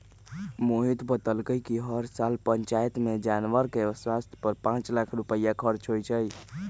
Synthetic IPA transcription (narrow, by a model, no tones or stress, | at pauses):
moɦit̪bət̪əlkəjkiɦəɾsalpənt͡ʃajt̪med͡ʒanʋəɾkeswast̪ʰj̥pəɾpãt͡ʃlakʰɾupəjakʰəɾt͡ʃɦojt͡ʃʰəj